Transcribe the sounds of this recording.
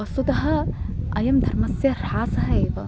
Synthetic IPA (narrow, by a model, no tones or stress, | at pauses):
ɐsut̪ɐɦɐ̆ɐjɐmd̪ʱɐɾmɐsjɐɾaːsɐɦɐeːʋɐ